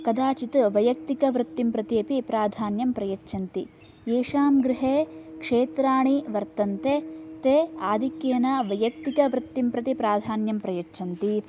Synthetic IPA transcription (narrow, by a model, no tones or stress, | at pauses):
kɐd̪aːt͡ʃit̪ʋɐjɐk̚t̪ikɐʋɾɨt̪ːimpɾɐt̪iɐpipɾaːd̪ʱaːnjɐmpɾɐjɐtːt͡ʃʰɐnt̪i | eːʃaːmɡɾɪɦeːkʂeːt̪ɾaːɳiʋɐɾt̪ɐnt̪et̪eːaːd̪ʱikjeːnɐʋɐjɐk̚t̪ikɐʋɾɨt̪ːimpɾɐt̪ipɾaːd̪ʱaːnjɐmpɾɐjɐtːt͡ʃʰɐnt̪i